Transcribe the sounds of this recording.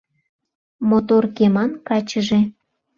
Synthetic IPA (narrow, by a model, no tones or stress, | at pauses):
mot̪orkemɑnkɑt͡ɕəʒĕ